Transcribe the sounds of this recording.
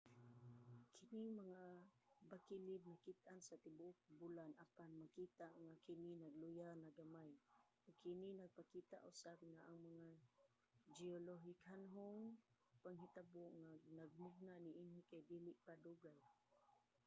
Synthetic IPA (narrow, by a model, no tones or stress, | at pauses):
kʰɪnɪŋmaŋabakilɪb̪̚nakɪt̪̚ʔansat̪ɪbʊʔʊk̚bulanapanmakiːt̪aʔŋakɪninaɡlʊjanaɡamaj | oɡ̚kɪninaɡ̚pakiːt̪a̰ʔʊsab̚ŋaʔaŋmaŋa | d͡ʒioloɦɪkhanɦʊŋ | paŋɦit̪abʊʔŋanaɡ̚mʊɡ̚naʔniʔinikajd̪iːlɪʔpad̪uɡaj